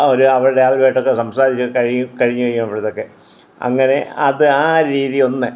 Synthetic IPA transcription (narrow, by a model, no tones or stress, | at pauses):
o̞ɾuɐʋɐɻuɽeaːlɾeːjʈːo̞kːe̞sɐmsaːɾit͡ɕːɨkɐɻiɲːukɐɻiɲːukɐjːumɐʋiɽɐðo̞kːe̞ | ɐ̰ŋːɐne̞ɐðɨaːɾiːðijo̞nːɨ